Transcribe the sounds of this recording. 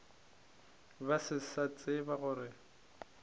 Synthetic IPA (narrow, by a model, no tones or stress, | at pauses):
basɪsat͡sʼɪbaɣʊɾɪ